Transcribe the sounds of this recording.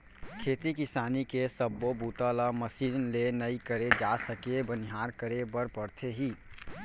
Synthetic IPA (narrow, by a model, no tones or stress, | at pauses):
kʰeːt̪ikɪsaːnikesəbːobuːt̪alaməsiːnlenəikəɾed͡ʒasəkebəniɦaːɾkəɾebəɾpəɾt̪ʰeɦiː